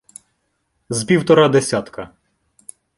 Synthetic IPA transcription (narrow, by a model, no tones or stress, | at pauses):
zpʲiwt̪ɔɾad̪esʲat̪kɐ